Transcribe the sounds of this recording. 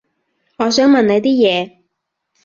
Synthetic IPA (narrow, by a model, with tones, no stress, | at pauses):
ŋɔː˨˧s̬œː˨˥ŋmɐ˨nnɐ˨˧jt̪iː˥jɛː˨˧